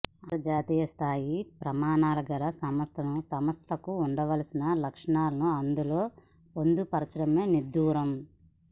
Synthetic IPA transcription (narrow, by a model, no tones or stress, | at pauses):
ɐɾd͡ʒaːt̪iːjɐst̪ʰaːjipɾɐmaːnaːlɐɡɐlɐsɐmɐst̪ʰɐnusɐmɐst̪ʰɐkuːɳɖɐʋɐlɐsinɐlɐkʂɐɳaːlɐnuɐnd̪ulo̞ː | pond̪upɐɾɐt͡ʃɾɐmeːnid̪ːuːɾɐm